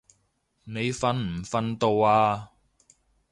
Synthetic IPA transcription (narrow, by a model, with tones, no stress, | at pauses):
ne˨˧jfɐ˧nm̩˨˩fɐ˧nt̪o˧waː˧